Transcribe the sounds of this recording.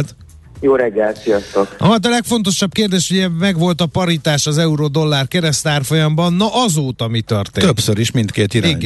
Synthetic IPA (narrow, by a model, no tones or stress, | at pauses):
t̪ | joːɾɛɡːɛlt̪sijɒst̪okɒt̪̬ɒlɛkfo̞n̪t̪o̞ʃɒb̚keːrd̪eːʃuɟɛmɛɡʋo̞lt̪ɒpɒɾit̪aːʃɒzɛuɾod̪o̞lːaːrkɛɾɛst̪aːrfo̞jɒmbɒnːɒʔɒzoːt̪ɒmit̪ørt̪eːt̪øpsøɾiʃmint̪keːt̪iɾiɲɡ